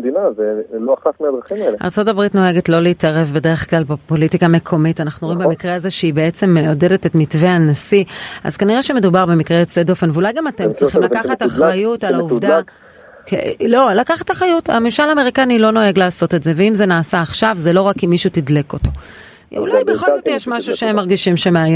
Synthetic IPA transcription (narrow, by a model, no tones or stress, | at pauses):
dinazeloaχatmed̪ʁaχimaeleʔa̰ʁt͡so̞tabʁitno̞e̞ɡe̞tlo̞leitaʁe̞vbe̞de̞ʁeχklalbapo̞litikame̞kʰo̞mitanaχnuʁoimbemikʁeazeʃeibe̞et͡se̞mːeode̞de̞tetmitveanasia̰zkaniʁeʃeme̞dubaʁbemikʁeesedo̞fe̞nveulajɡamatemt͡sʁiiχimlakaχataχajutalauvdaa | klo̞lakaχathaχajuta̰memʃalaːme̞ʁikanilo̞no̞eɡlaːso̞te̞tze̞veimze̞naːsaːχʃavzelo̞ʁakimːiʃutidleko̞to̞ | ṵlajbeχolzzot̪ijeʃmaʃuʃeemːaʁɡiʃimʃe̞meaj